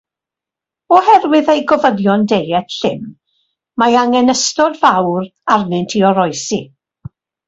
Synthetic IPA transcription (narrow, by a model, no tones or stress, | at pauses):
ɔhɛrwɪðejɡɔvəðjɔndejɛtɬɪm | majaŋɛnəstɔdvawrarnɨntʰiɔɾɔjsi